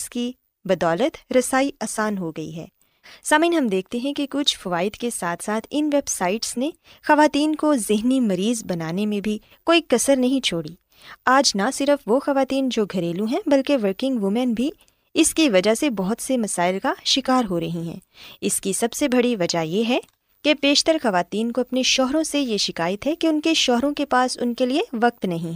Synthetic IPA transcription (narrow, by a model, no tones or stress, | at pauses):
ski | bɐd̪ɔːlət̪ɾɐsaːiaːsaːnɦoɡɐḭɦɛ̰ː | saːmĩːnɦɐmd̪eːk̚ʰt̪eɦɛ̃kikʊt͡ʃʰfɐʋaːɪd̪kesaːt̪ʰsaːt̪ʰɪnʋeːbsaːɪʈsne | xɐʋaːt̪iːnkozɪɦnimɐɾiːzbɐnaːnemẽbʱi | koːikɐsəɾnɐɦĩt͡ʃʰoːɽiː | aːd͡ʒnasɪɾəfʋoxɐʋaːt̪iːnd͡ʒoːɡʱɐɾeːlũɦɛ̃bɐlkeʋəɾkɪ̃ŋɡʋʊmɛnbʱi | ɪskiʋɐd͡ʒaɦsebɔɦʊt̪semɐsaːɪlkaʃɪkaːɾɦoɾɐɦĩɦɛ̰̃ː | ɪskisɐbsebɐɽiʋɐd͡ʒajeɦɛ | kepeːʃt̪əɾxɐʋaːt̪iːnkoɐpneʃɔːɦɾõsejeʃɪkaːjət̪ɦɛkeʊnkeʃɔːɦɾõkepaːsʊ̰nkelieʋɐk̚t̪nɐɦĩɦɛː